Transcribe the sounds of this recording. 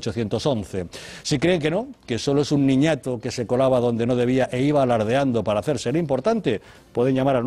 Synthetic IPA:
t͡ʃoθjent̪osõnθesikɾeːŋkenokesoloesuŋːĩɲat̪okesekolaβaðond̪enoðeβiaʔeiβalaɾð̞eand̪opaɾaːθeɾseɾimpoɾt̪ant̪e | pweð̞eŋʝamaɾan

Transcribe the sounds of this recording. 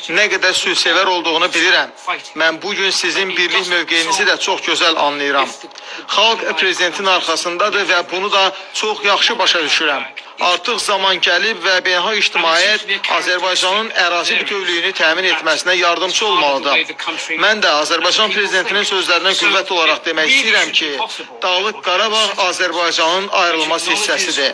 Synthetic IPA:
næɡæd̪æɾsysevæɾo̞lˠd̪uʁunubiliɾæmːænbuɟynsizinbiɾliçmø̞vɡejinizid̪æt͡ʃʰo̞χɟø̞zælɑ̰nlˠɯjɯɾɑm | χɑlˠɡpʰɾe̞zid̪e̞nt̪ʰininɑɾχɑsɯnd̪ɑd̪ɯvæbunud̪ɑt͡ʃʰo̞χjɑχʃɯbɑʃɑd̪yʃyɾæm | ɑɾt̪ʰɯχzɑmɑnɟælibvæbenɦɑiʃt̪ʰimɑːjæt̪ɑ̰ːzæɾbɑjd͡ʒɑnɯnæɾɑːzibyt̪ʰø̞vlyjynyt̪ʰæːmine̞t̪mæsinæjɑɾd̪ɯmsʰɯo̞lˠmɑlˠɯd̪ɯmmænd̪æɑːzæɾbɑjd͡ʒɑnpʰɾe̞zid̪e̞nt̪ʰininsø̞zlæɾinæɡuvvːæt̪ʰo̞lˠɑɾɑχd̪e̞mæçist̪ijiɾæmcʰi | d̪̥ɑlˠɯk̚ɡɑɾɑbɑɾɑːzæɾbɑjd͡ʒɑnɯnɑjɾɯlˠmɑsisːæsid̪i

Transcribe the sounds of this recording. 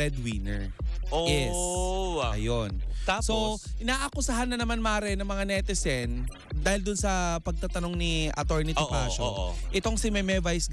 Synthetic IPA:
ɛd̪winɛ̰ɹ | ojɛsʔɐjont̪asoʔɪnaːʔɐkʊsɐɦanːɐnɐmanmaːɾɛnɐŋmɐŋanɛt̪ɪsɛn | d̪aːhɪld̪ʊnsɐpɐɡ̚t̪at̪ɐno̞ŋniʔɐ̰t̪oɹnɪtɪpa̰ːʃoʔɛt̪o̞ŋsɪmɛmɛvajs

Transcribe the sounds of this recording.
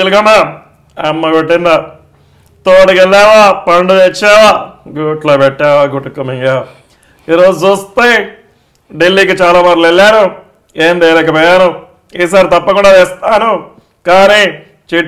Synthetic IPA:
iluɡɐma | ɐmːɐpeʈːind̪ɐ | t̪oːɽikelːaːʋaːpɐɳɖud̪et͡ʃːaːʋaːɡuʈloːpeʈːaːʋaːɡuʈːukumiŋɡaː | iːɾoːd͡ʒut͡ʃuːst̪e | ɖelːiːkit͡ʃaːlaːmaɾlelːaːnu | eːnd̪eːɾɐkɐpɐːjaːnu | iːs̬aːɾit̪ɐpːɐkuɳɖaːteːst̪aːnu | kaːniː | t͡ʃiʈ

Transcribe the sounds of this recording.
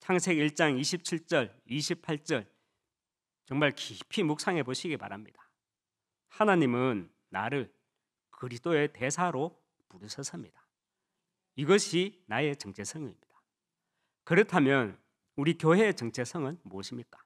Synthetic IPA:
t͡ɕʰaŋsʰe̞ɡiɭt͡ɕ͈aŋiɕʰip̚t͡ɕʰiɭt͡ɕ͈ʌɭiɕʰipʰaɭt͡ɕ͈ʌɭ | t͡ɕʌŋmaɭkipʰimuk̚s͈aŋɦe̞boɕʰiɡipa̰ɾamɲḭd̥ḁ | hanaɲimɯnː | a̰ɾɯɭ | kɯɾist͈oe̞tesʰaɾo | puɾɯɕʰʌs͈ʰɯmɲid̥ḁ | iɡʌɕʰinae̞t͡ɕʌŋt͡ɕʰesʰʌŋiimɲid̥ḁ | kɯɾʌtʰamjʌn | uɾikjoɦe̞ːt͡ɕʌŋt͡ɕʰe̞sʰʌŋɯnmuʌɕʰimɲik͈ḁ

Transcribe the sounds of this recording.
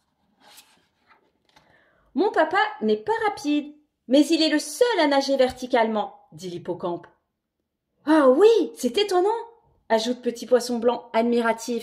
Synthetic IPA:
mɔ̃papanɛpaʁapʰid̪ | mɛzilɛləsœlanaʒevɛʁt̪ikʲalmɑ̃ | d̪ilipɔkɑ̃p | awisɛt̪et̪ɔnɑ̃ | aʒut̪̚pət̪ʰipwasɔ̃blɑ̃ad̪miʁat̪ʰif

